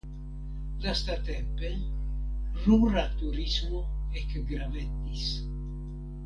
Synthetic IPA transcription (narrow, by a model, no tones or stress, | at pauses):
dast̪at̪ɛmpe | ruɾat̪uɾizmoekɡɾavet̪ːis